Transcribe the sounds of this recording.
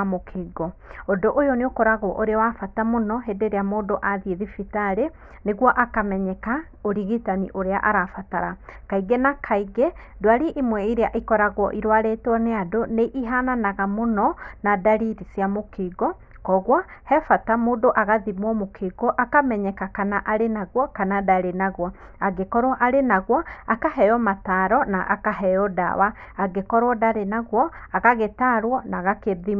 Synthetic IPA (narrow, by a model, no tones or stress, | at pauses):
mokʰeːɡɔondoʔojɔneokɔɾaɣɔʔoɾeawafatamonɔɦedeɾeamoːdoʔaðieðifitaɾe | neɣwɔʔakamɛɲɛka | oɾiɣitaniʔoɾeaʔaɾafataɾakaiɡɛnakʰaiɡɛdwaɾiʔimwɛiɾeaʔikɔɾaɣɔʔiɾwaɾetwɔneadoneʔiɦananaɣamonɔnadaɾiɾisjamokiɡɔ | kɔɣwɔhɛfatamoːdoʔaɣaðimwɔmokʰiɡɔʔakamɛɲɛkakanaʔaɾenaɣwɔkanadaɾenaɣwɔ | aɡekɔɾwɔʔaɾenaɣwɔakaɦɛjɔmataɾɔnaʔa̰kaɦɛjɔda̰waː | ɡekɔɾwɔdaɾenaɣwɔaɣaɣetaɾwɔnaɣakeði